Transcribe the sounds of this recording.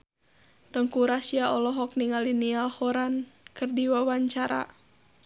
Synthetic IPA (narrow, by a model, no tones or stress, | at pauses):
t̪əŋkuɾasiaʔɔlɔɦɔk̚niŋalinialhɔɾankɨrdiwawaɲt͡ʃaɾa̰